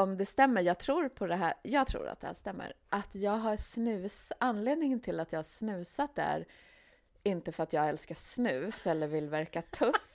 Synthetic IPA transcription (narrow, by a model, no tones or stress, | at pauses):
ɔmd̪ɛst̪ɛmːəɾjɑːɡ̚t̪ʰɾuːɾpʰɔd̪ɛɦæ̰ːjɑːɡt̪ʰɾṵːɾa̰t̪d̪ɛ̰hæ̰ːʂt̪ɛmːə̰ɾʔat̪ʰjɑːɡɦaɾʂnʉ̟ːsanːleːd̪nɪŋənt̪ʰɪlat̪jɑːhaʂnʉ̟ːsat̪̚d̪ɛhæ̰ɾ | ɪnt̪əfœɾat̪jɑːɡɛlskaʂnʉ̟ːsɛlːəɾvɪlvæɾkat̪ʰɵf